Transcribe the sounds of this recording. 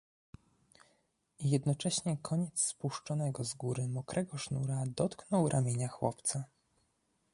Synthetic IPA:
jɛd̪nɔt͡ʂɛɕɲɛkʰɔɲɛt̪sspuʂt͡ʂɔnɛɡɔzɡuɾɘmɔkɾʔɛɡɔʂnuɾad̪ɔt̪knɔwɾʔamʲjeɲaxwɔ̰pt̪sa

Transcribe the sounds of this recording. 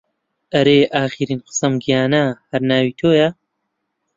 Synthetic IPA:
ʔɐɾeːʔaːxiɾiːnqɨ̥sɐmɡijaːnahɐɾnaːwiːt̪ʰoːja

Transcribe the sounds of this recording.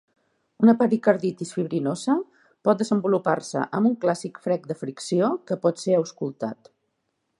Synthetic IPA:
unəpaɾikəɾðit̪isfiβɾinozə | pɔt̪̚d̪əzəmbulupa̰rsə̰ʔəmbuŋklasikfɾɛk̚d̪əfɾiksiokəpɔt̪seəwskulˠt̪a̰t̪

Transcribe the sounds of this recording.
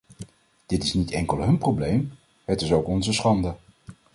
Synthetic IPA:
d̥ɪtɪsnitɛŋkəlˠɦɵnprowblejm | hətɪsowkɔnzəsχɑndə

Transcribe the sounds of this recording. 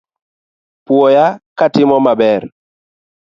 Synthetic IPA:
pwɔjakatɪmɔmabɛɾ

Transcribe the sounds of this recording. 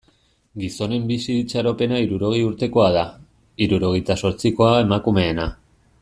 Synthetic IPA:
ɡiso̞ne̞mbisit͡ʃaɾo̞pe̞naiɾuɾo̞ɣ̞ejuɾt̪e̞ko̞að̞a | iɾuɾo̞ɣ̞e̞jt̪aso̞ɾt͡siko̞ae̞makume̞ːna

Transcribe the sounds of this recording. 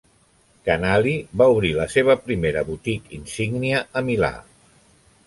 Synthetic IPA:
kənaliβauβ̞ɾiləseβ̞əpɾimeɾəβut̪ikinsiɡniəəmila̰

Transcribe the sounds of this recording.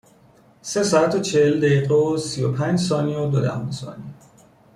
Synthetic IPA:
se̞sɒːat̪ʰot͡ʃʰeheld̪ejiːɣeosiopʰænd͡ʒsɒːniod̪od̪æ̰hunsɒ̰ːni

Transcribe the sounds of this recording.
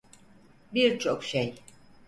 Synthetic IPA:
biɾt͡ʃʰo̞kʃej

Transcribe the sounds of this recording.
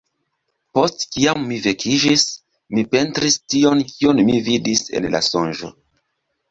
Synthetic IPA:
po̞stkiamːive̞kʰid͡ʒis | mipe̞ntɾistio̞nkʰio̞nmividise̞̰nla̰so̞nʒo̞̰

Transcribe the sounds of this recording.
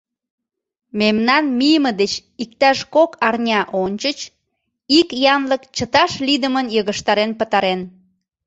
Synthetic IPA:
memnɑnmijəməd̪et͡ɕik̚t̪ɑʃkokɑrnʲɑʔonʲt͡ɕət͡ɕ | ikjɑnləkt͡ɕət̪ɑʃlid̪əmənjəɣəʃt̪ɑɾenpət̪ɑɾen

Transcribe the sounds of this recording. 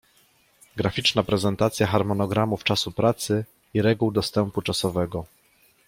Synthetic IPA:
ɡɾafʲit͡ʂnapɾɛzɛnt̪at̪sʲjaxaɾmɔnɔɡɾamuft͡ʂasupɾat̪sɘ | iɾɛɡuwd̪ɔst̪ɛmput͡ʂasɔvɛɡɔ

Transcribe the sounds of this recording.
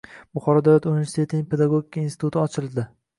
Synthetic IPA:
bʊχɒɾɒd̪awlat̪unive̞ɾsi̥t̪ʰe̞t̪ʰɪnɪŋʲpʰed̪aɡoɡʲikʰːainsɪ̥t̪ʰut̪ʰɪɒt͡ʃʰɪlˠd̪ɪ

